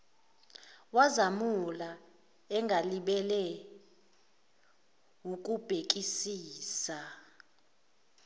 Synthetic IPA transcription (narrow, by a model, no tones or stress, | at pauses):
wazamula | ɛŋɡʱaliɓɛlɛ | wuk̬ʼub̥ʱek̬ʼisiːsa